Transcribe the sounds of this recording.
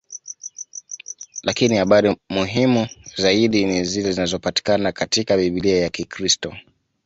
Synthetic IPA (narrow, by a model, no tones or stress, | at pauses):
lakinihaɓaɾimuɦimuzaiɗinizilɛzinazɔpati̥kanakatikaɓiɓiliajakikɾistɔ